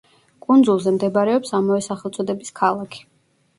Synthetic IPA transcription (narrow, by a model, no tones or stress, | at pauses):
kʼund̪zulˠzɛmd̪ɛbaɾɛɔpsamavɛsaχɛlˠt̪sʼɔd̪ɛbiskʰalˠakʰi̥